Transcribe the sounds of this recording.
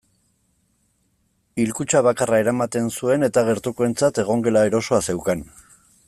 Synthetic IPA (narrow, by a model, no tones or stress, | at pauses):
ilkut͡ʃaβ̞akarae̞ɾamat̪e̞nsue̞ne̞t̪aɣ̞e̞ɾt̪ukoe̞nt͡sat̪e̞ɣ̞o̞ŋɡe̞laeɾo̞so̞ase̞wkan